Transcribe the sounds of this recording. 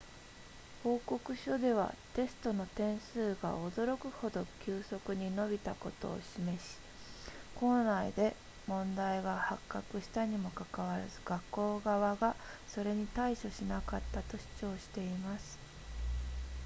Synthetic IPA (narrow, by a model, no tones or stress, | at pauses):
ho̞ːko̞kɯ̟ɕo̞d̪e̞β̞a̰t̪e̞sɨ̥t̪o̞no̞t̪ẽ̞ɰ̃sɨːɡa̰ʔo̞d̪o̞ɾo̞kɯ̟ho̞d̪o̞kʲɨːso̞kɯ̟ɲ̟ino̞bʲit̪ako̞t̪o̞̰ːɕime̞ɕi̥ | ko̞ːnaid̪e̞ | mõ̞nd̪aiɡahakːakɯ̟ɕi̥t̪aɲ̟imo̞kakaβaɾazɨɡ̥akːo̞ːɡaβaɡaso̞ɾe̞ɲ̟it̪aiɕo̞ɕinakat̪ːat̪o̞ɕi̥t͡ɕo̞ːɕi̥t̪e̞imasɨ̥